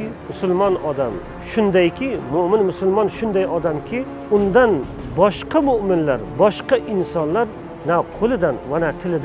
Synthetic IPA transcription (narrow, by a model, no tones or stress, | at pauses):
mʊsʊlˠmɒnɒd̪am | ʃʊnd̪ajkʲʰɪmʊmɪnmʊsʊlˠmɒnʃʊnd̪ajɒd̪amkʲʰɪ | ʊnd̪an | bɒʃqʰɑmʊʔmɪnlaɾbɒʃqɑʔɪnsɒnlaɾ | naqʰolˠɪd̪anvanat̪ʰɪlɪd̪